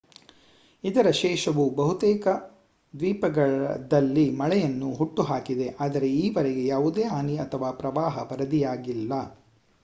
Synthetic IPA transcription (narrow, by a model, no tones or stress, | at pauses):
id̪ɐɾɐʃɛːʃɐʋubɐɦut̪ɛːkɐ | d̪ʋiːpɐɡɐɭd̪ɐlːimɐɭɛjɐnːuɦuʈːuɦaːkid̪e̞ʔaːd̪ɐɾe̞iːʋɐɾɛɡe̞jaːʋud̪eːaːniɐt̪ʰɐʋaːpɾɐʋaːɦɐpɐɾɐd̪ijaːɡilːɐ